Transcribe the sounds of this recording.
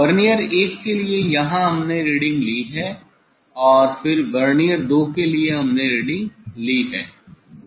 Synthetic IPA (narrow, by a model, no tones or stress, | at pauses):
ʋɐɾnijəɾeːkːeliejɐɦãɦɐmneɾiːɖɪ̃ŋɡliɦɛː | ɔːɾfɪɾʋɐɾnijəɾd̪oːkelieɦɐmneɾiːɖɪ̃ŋɡliɦɛː